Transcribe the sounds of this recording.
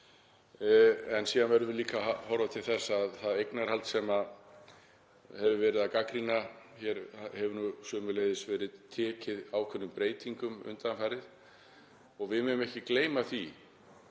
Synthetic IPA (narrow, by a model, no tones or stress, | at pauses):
ɛnsiːðanvɛɾʏvɪliːkahɔwɾat̪ʰɪlθɛsːaðθaðejknaɾ̥halt̪sɛma | hɛvʏvɛːɾɪðakakɾinaçɛɾhɛvʏnusœːmʏleːjðɪsvɛːɾɪðt̪ʰɛːcɪðaːwkʰvœnːʏmpɾeːjt̪iŋkʏmʏ̰nt̪anfajɾɪð | ɔɣvɪðmɛnʏmɛhcɪkleːjmaθi